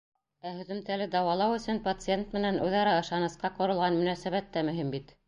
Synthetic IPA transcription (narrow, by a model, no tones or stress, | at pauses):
æhɵ̆ðɵ̆mt̪ælɘd̪ɑwɑlˠɑwɵ̆sɵnpɐt̪sɨent̪mɘ̆nænʉðɑɾɑɤ̆ʃɑnɤ̆sqɑqŏɾɤ̆lˠʁɑnmɵ̆næsæβæt̪ːæmɵ̆ɦimbit̪